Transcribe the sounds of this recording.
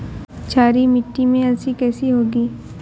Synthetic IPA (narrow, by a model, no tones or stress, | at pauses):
t͡ʃʰaːɾimɪʈːimẽɐsikɛːsiɦoːɡiː